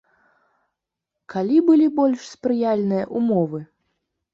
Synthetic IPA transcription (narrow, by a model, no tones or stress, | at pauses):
kalʲibɨlʲibɔlʲʂspɾɨjalʲnɨjɐʔumɔvɨ